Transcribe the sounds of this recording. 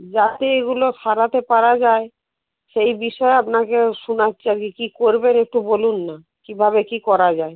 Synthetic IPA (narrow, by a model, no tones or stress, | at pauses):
d͡ʑat̪eeɡuloʃʰaɾat̪epaɾad͡ʑae | ʃejbiʃɔeapnakeʃunaɕʰaɾkikikoɾbenek̚ʈubolunːa | kibʱabekikɔɾad͡ʑae